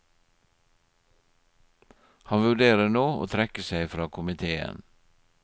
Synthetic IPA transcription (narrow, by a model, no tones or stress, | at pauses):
hɑnʋʉɖeːɾənoːo̰ːt̪ʰɾɛkəsæɪfɾɑːkʰʊmɪt̪ʰeːə̰n